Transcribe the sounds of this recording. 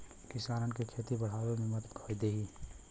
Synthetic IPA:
kɪsaːɾənkekʰeːt̪ibəɽ̤aːʋemẽmət̪kʰod̪eːɦiː

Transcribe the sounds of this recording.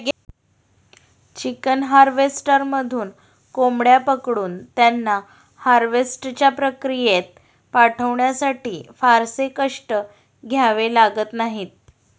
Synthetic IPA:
ɡ | t͡ɕikənɦaɾʋesʈəɾməd̪ʱuːn | komɽjapəkɽuːnt̪janːa | haɾʋesʈt͡ɕjapɾəkɾijet̪̚ | paʈʰəʋɳjasaʈiːfaɾsekəʂʈə | ɡʱjaʋelaɡət̪naɦiːt̪̚

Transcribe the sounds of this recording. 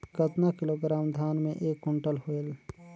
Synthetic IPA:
kət̪nakɪloːɡɾaːmd̪ʱaːnmẽʔeːkɦʊɳʈəlɦoel

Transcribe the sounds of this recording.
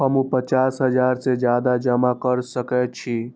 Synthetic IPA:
ɦəmũpət͡ʃasɦəd͡ʒaɾsed͡ʒjad̪ad͡ʒəmakəɾsəkɛt̪̚t͡ʃʰi

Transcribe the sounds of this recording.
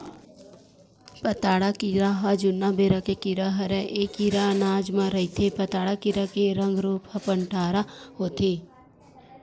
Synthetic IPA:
pət̪aːɽakiɾaɦad͡ʒʊnːabeːɾakekɪɾaɦɐɾɛʔeːkiɾanaːd͡ʒmãɾɐit̪ʰepət̪aːɽakɪɾakeɾɐ̃ŋɡɾuːpɐpə̃ɳʈaːɾahoːt̪ʰe

